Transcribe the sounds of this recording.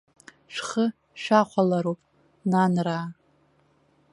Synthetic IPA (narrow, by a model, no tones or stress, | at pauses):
ʂχə | ʃᶣaχʷʰalaɾowpʼ | nanraː